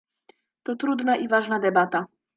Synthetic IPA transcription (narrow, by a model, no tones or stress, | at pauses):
t̪ɔt̪ɾud̪naʔivaʐnad̪ɛbat̪a